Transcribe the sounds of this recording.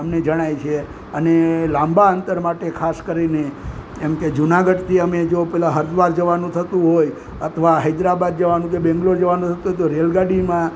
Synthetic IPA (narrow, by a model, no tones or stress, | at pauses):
əmned͡ʒəɽ̃ajt͡ʃʰe | ənelãmbaənt̪əɾmaʈekʰaskəɾine | emked͡ʒunaɡəɖt̪ʰiəmed͡ʒopɛlãɦəɾd̪ʋaɾd͡ʒəʋanũt̪ʰət̪ũɦoj | ət̪ʰʋaɦəd͡ʒɾabad̪̚d͡ʒəʋanũk̬ebɛ̃ŋɡlod͡ʒəʋanũt̪ʰət̪ũɦojt̪oɾelɡaɽimã